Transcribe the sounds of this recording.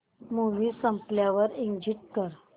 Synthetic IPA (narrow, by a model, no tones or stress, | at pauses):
muʋisəmpljaʋəɾiŋɡd͡ʑiʈ̚kəɾ